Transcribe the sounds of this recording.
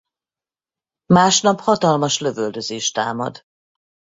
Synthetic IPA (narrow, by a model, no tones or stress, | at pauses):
maːʃnɒphɒt̪ɒlmɒʃløvøld̪ø̞zeːʃt̪aːmɒ̰d̪